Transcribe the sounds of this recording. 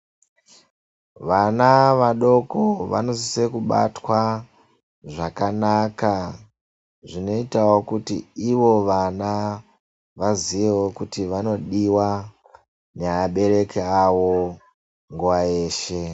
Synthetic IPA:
ʋanaʋaɗo̞koʋa̰no̞zisekuɓa̰twa | ʐakanaka | ʐino̞itawo̞kutḭiʋo̞ʋana | ʋaziʋewo̞kutiʋano̞ɗiwa | neaɓe̞ɾe̞keawo̞ | ŋɡuwaeːʃe̞

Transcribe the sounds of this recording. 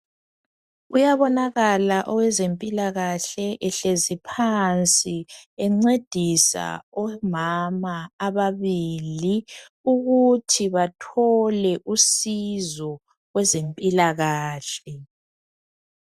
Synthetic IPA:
ujaβɔnaɣalaʔɔwɛzempʼilaɣaɬɛʔɛɬezipʰant͡sʼiɛŋ͡ǀed̥ʱisa̰ɔmamaːβaβili | uɣutʰiβatʰɔlɛʔusizɔ | ɣwɛzempʼilaɣaːɬɛ

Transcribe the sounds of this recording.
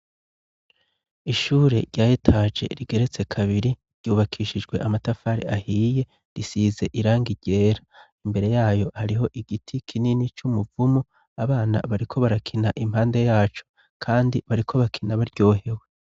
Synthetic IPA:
iʃuːɾe̞̰ɾɟaːjitʰaːd͡ʒe̞̰ɾiɡe̞ɾe̞t͡se̞kʰaβiɾi | ɾɟ̥uːβakʰiːʃid͡ʒɡwe̞̰ʔamatafaɾḭahiːje̞ | ɾisiːze̞ʔiɾaːŋɡiɟe̞ːɾa | imbe̞ɾe̞jaːjo̞haɾiɦo̞ʔiɡitʰikʰininit͡ʃumuvumu | aβaːna̰βaɾikʰo̞βaɾakʰinaʔimhaːnde̞jaːt͡ʃo̞̥ | kʰaːndiβaɾikʰo̞βakʰinaβaɾɟo̞ːhe̞we̞

